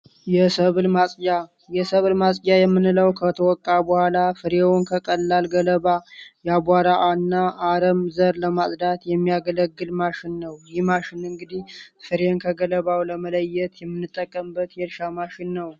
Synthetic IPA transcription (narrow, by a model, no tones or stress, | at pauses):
jɛsəβlmasʼja | jɛsəβlmasʼjajɛmːɨnɨləwkʰət̪ʰəwɔkʼːabəhʷalafɨɾewʊnkʰəkʼəlːalɡələβajɛabaɾaʔanːaʔːɾəmzəɾləmasʼd̪at̪jɛmːijaɡələɡːɨlmaʃɪnːəwjɪhmaʃɪnɨŋɡɨd̪ihfɨɾenkʰəɡələβawləmələjːɛt̪jɛmːɨnːɨt̪ʼːəkʼːəmbət̪jɛlʃamaʃɪnːəw